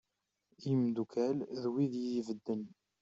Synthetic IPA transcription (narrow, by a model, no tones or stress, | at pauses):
jəmd̪ukʰælðwiðjivəd̪ːən